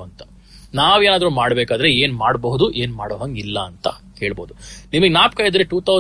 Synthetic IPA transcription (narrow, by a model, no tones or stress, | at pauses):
ɐnt̪ɐ̥ | naːʋeːnaːd̪ɾuːmaːɽbeːkaːd̪ɐɾeeːnmaːɽbɐɦud̪uʔe̞ːnmaːɽoːɦɐŋɡilːɐːnt̪ɐhe̞ːɭboːd̪unimɐɡenaːp̚kɐjid̪ɾeʈuːt̪ʰɐw